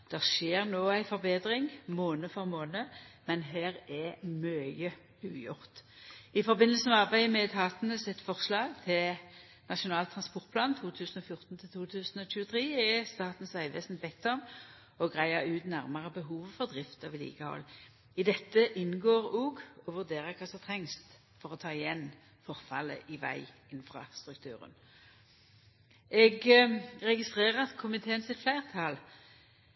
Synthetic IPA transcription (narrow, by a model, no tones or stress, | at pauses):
d̪̥ɛʁʃeːʁnoːæɪfɔʁbeːd̪ʁɪŋmoːnəfɔʁmoːnəmɛnɦæːʁɛmœə | ʉːjʊ̰ʁt̪ɪfɔʁbɪnːəlsəmɛɑʁbæɪəmɛt̪ʰɑːt̪nəsɪt̪fɔʁslɑːɡt̪ʰɪl | nɑʃʊnɑːlt̪ʰːʁɑnspɔʁt̪̚pʰlɑːnt̪ʰuːt̪ʰʉːsən̩ɔfjʊʁt̪n̩t̪ʰɪlt̪ʰuːt̪ʰʉːsn̩ɔɕʉːət̪ʰʁeːɛst̪ɑːt̪n̩sæɪʋḛːsnbɛk̚t̪ɔm | ɔɡʁæɪəʁʉːt̪næʁmɑʁəbəɦuːʋfɔʁd̪ʁɪft̪ɑʋɪlḭːɡəhɔ̰lː | ɪd̪ɛt̪ːəʔɪnɡoːʁoːɡɔʋʉʁd̪eːʁəkʰɑːsɔmt̪ʰʁɛŋst̪ | fɔʁɔt̪ʰɑːɪjɛn | fɔʁfɑlə̰ʔɪʋæ̰ɪ | ɪnfʁɑ̰st̪ʁʉkt̪ʰʉ̰ːʁə̰n | ʔɛɡʁɛɡɪst̪ʁeːʁət̪kʰʊmɪt̪ʰeːənsɪt̪flæɪʁt̪ʰɑl